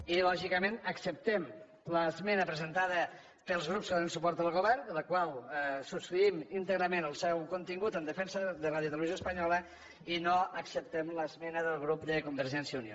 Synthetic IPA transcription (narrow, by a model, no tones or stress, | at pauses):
ilɔʒikəmenəksəp̚t̪ɛm | ləzmɛnəpɾəzənt̪aðə | pəlˠzɣɾupskəðonənsupɔɾt̪əlˠɣoβɛɾnd̪ələkwalˠsust̪ɾiimint̪əɣɾəmẽnəlˠsɛwkunt̪iŋɡut̪ənd̪əfɛnsəðəraðjut̪ələβizjoəspəɲɔlə | inoəksəp̚t̪ɛmləzmɛnəðəlˠɣɾupd̪əkumbəɾʒɛnsiəunio